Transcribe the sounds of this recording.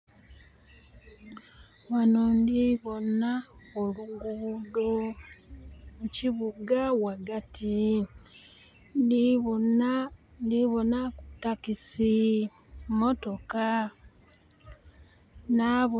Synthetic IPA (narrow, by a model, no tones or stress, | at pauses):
wanondiβonaoluɡudo | muciβuɡawaɡatʰi | ndinandiβonakutakisi | moto̞ka | naβ